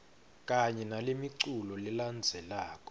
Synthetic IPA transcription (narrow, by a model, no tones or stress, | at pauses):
k̬ʼaɲɛnalemiǀulɔliland͡zʱɛlaːkʼɔ̥